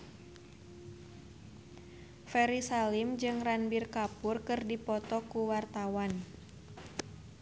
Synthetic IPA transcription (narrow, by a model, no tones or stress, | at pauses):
fɛɾisalimd͡ʒɨŋranbirkapʊrkɨrdipɔt̪ɔkuwart̪awan